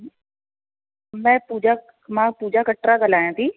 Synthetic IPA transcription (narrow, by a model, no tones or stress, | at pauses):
mɛ̃ːpuːd͡ʒa | mãːpuːd͡ʒakəʈɾaɡəlaːjãːt̪ʰiː